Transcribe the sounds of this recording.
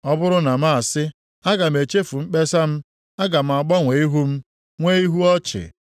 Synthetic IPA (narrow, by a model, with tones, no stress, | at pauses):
ɔ˦bʊ˦ɾʊ˦na˨ma˦a˨sɪ˦ | a˦ɡa˨m̩˨e˨t͡ʃe˦fu˨ŋ͡m̩˦k͡pe˦sa˦m̩˦ | a˦ɡa˨m̩˨a˨ɡ͡bɔ˦ŋʷe˨i˦ɦu˦m̩˦ | ŋʷe˦i˦ɦu˦ɔ˦t͡ʃɪ̰˨